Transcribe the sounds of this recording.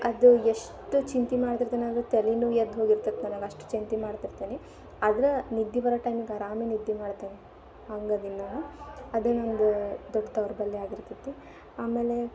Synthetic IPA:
ɐd̪ueʂ | ʈut͡ʃint̪imaːɽt̪iɾt̪iniɐd̪ɾut̪elinujɐd̪ɦoːɡiɾt̪ɐt̪ːnaːnaɡɐʂʈu̥t͡ʃint̪imaːɽt̪iɾt̪ini | ɐːd̪ɐɾɐnid̪ːiʋɐɾɐʈɐjmiɡɐɾaːminid̪ːimaːɽt̪ini | aːŋɡɐd̪inːaːnuɐd̪unond̪ud̪ɔɖːt̪ɐʋɾbɐlːiaːɡiɾt̪ɐt̪ːi | aːme̞ːle

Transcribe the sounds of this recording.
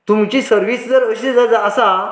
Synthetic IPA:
t̪umt͡ɕiːsəɾʋiːsd͡zəɾəɕed͡zad͡zaːsa

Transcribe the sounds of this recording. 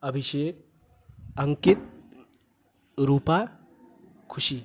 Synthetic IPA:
əbʱiʃek̚ | ɐŋkit̪̚ | ɾuːpa | kʰuʃi

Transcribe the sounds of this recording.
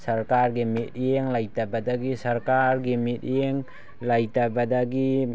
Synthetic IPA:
saɾkaɾɡimit̚eŋlajtabadaɡisaɾkaɾɡimit̚jeŋ | lajtabadaɡi

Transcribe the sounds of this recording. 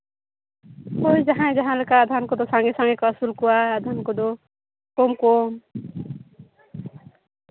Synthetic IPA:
ojd͡ʒaɦãj̃d͡ʒaɦãlekaːd̪ʱankɔd̪ɔsaŋɡesaŋɡekɔasulkuwaad̪ʱankɔd̪ɔ | kɔmkom

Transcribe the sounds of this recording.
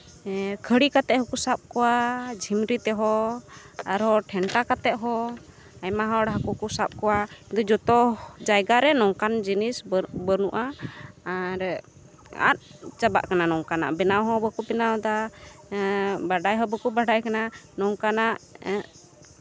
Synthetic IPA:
kʰəɽikat̪ɛʔhɔkusap̚kɔwad͡ʒʱimɾit̪ɛɦɔ | aɾɦɔʈʰɛɳʈakat̪ɛʔ̚ɦɔ | ajmaɦɔɽɦakukusap̚kɔwaid̪ɔd͡ʒɔt̪ɔd͡ʒajɡaɾɛnɔŋkand͡ʒinisbənuʔaː | ɾ | a̰t̪̚t͡ʃaba̰ʔkananɔŋkana̰ʔbɛnawɦɔbɔkubɛnawd̪a | baɖajɦɔbɔkubaɖajkananɔŋkanaʔ

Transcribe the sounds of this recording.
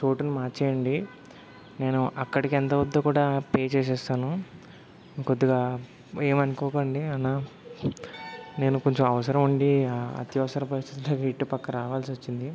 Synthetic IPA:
t͡ʃo̞ːʈunumaːt͡ʃɛːjɐɳɖi | ne̞ːnuʔɐkːɐɽikient̪ɐʋɐd̪ːoːkuːɽaːpeːt͡ʃeːs̬ɛːst̪aːnu | ikod̪ːuɡaː | eːmɐnikɔːkoɳɖiɐnːaː | ne̞ːnuko̞ɲt͡ʃomɐʋɐsɐɾɐmuɳɖiɐ̰t̪jɐʋɐsɐɾɐpɐɾist̪ʰit̪ulaːɡaiʈːupɐkːɐɾaːʋaːlsiʋot͡ʃːind̪i

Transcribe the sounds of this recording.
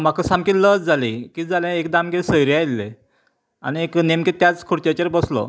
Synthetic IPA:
m̤akəsamkiləd͡zd͡zalĩkiːd͡zalɛ̃ekd̪amɡesəjɾjailːḛ̃ | a̰nieknemket̪jat͡skʰuɾt͡ɕ̪at͡ɕeɾbəslɔ̰

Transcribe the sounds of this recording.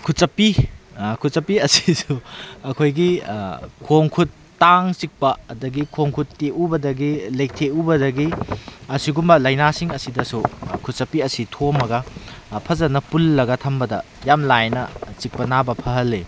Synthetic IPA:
kʰut̚t͡ʃɐpːikʰut̚sɐpːiɐsi̥suɐkʰojɡi | kʰoŋkʰutːaŋt͡ʃik̚pɐːdɐɡikʰoŋkʰutːeʔubɐdɐɡilejk̚tʰeubɐdɐɡiɐsiɡumbɐlɐjnasiŋɐsidɐsukʰut̚sɐpːiɐsitʰomɐɡɐpʰɐzɐnɐpulːɐɡɐtʰɐmbɐdɐ | jamlajnɐt͡ʃik̚pɐnabɐpʰɐɦɐle

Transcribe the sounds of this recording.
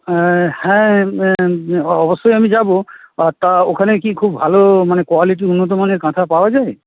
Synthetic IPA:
hɛ̃ | ɔbɔsɔjamid͡ʒaboat̪aokʰanekikʰubbʱalomanekwaliʈ̬iunːɔt̪̬ɔmaneɾkãt̪ʰapawad͡ʒae

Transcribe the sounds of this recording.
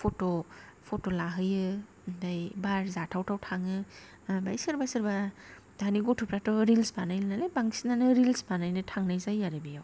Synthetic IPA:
pʰotopʰotolaɦɯjɯ | ndajbaɾzatʰawtʰawtʰaŋɯ | bajsɯɾbasɯɾba | daniɡɔtʰupɾatɔɾilspanajlnalebaŋsinanɯɾilspanajnɯtʰaŋnajzajːaɾɯbijaw

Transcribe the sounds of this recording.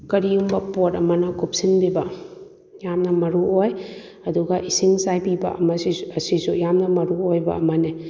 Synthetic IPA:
kɐɾiumbɐpotɐmɐnɐkup̚sinbibɐ | jamnɐmɐɾuoj | ɐduɡɐʔisiŋsajpibɐ̰ɐmɐsiɐsisujamnɐmɐɾuojbɐ̰ɐmɐni

